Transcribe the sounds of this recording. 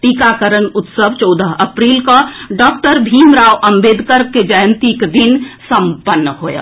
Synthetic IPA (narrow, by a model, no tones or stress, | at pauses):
ʈikakəɾənut̪səbʱt͡ʃɔwd̪əɦəpɾilkə̃ɖɔk̚ʈəɾbʱimɾawʔəmbed̪ʱkəɾked͡ʒəjənt̪ikd̪insəmpənːəɦojə̰